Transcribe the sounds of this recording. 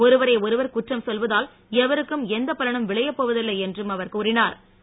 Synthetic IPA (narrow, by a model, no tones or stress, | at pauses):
ɔɾɯʋɐɾɐɪɔɾɯʋɐɾkʊʈrɐmsɔlʋɐðaːl | ɛʋɐɾɯkːɯmɛnd̪ɐpːɐlɐɳɐmʋɪɭɐjɐpːoːʋɐðɪlːɐɪɛndrɯmɐʋɐɾkɯʊɾɪnaːɾ